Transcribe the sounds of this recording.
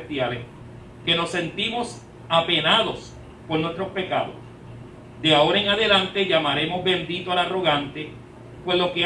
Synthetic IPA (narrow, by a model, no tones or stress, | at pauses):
t̪jales | ke̞no̞sːe̞nt̪imo̞s | ape̞naðo̞s | po̞ɾnwest̪ɾo̞spe̞kaðo̰s | d̪e̞ao̞ɾaeŋaðe̞lant̪e̞ʝamaɾe̞mo̞zβẽ̞nd̪it̪oalaro̞ɣant̪e̞ | pwe̞slo̞ke